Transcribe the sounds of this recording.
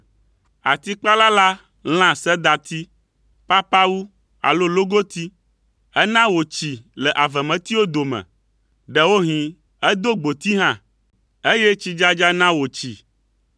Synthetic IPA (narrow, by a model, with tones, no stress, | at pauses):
a˨t̪i˦k͡pa˦la˦la˦ | l̃ã˦sɛ˦d̪a˨t̪i˦ | pa˦pa˦wu˦ | a̰˨lo˦lo˦ɡo˦t̪i˦ | ɛ˦nã˦wo˨t͡ɕi˨lɛ˨ʔa˨vɛ˨mɛ̃˨t̪i˦wo˦d̪o˨mɛ̰̃˨ | ɖɛ˦wo˦ɦĩ˨ | ɛ˦d̪o˦ɡ͡bo˨t̪i˦ɦã˦˨ | e˦je˦t͡ɕi˦d͡ʒa˦d͡ʒa˦nã˦wo˨t͡ɕi˨